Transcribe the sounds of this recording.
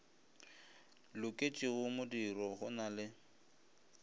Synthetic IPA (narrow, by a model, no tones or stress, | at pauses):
lʊkʼet͡ʃʼɪɣʊmʊdirɔɣʊnalɪ